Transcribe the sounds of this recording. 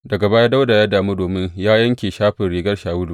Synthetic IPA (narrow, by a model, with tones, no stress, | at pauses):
dɐ˨ɡa˨baː˦jaː˦da˦wda˨ja˦daː˨mu˦doː˨mɪ˦ɲjaː˦jɐ˦ŋkʲeː˨ʃaː˦ɸɪ˨nɽeː˨ɡɐ˦rʃaː˨wʊ˦luː˨